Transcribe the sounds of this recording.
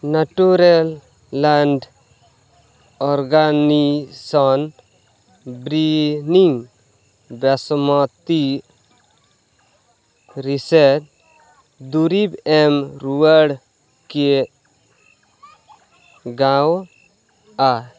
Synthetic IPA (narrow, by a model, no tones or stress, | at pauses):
naʈuɾelː | aɳɖ | ɔɾɡanisɔn | bɾiniŋ | bɛsmɔt̪i | ɾiseɾ | d̪uɾibɛmɾuəɽ | ke | ɡãw | a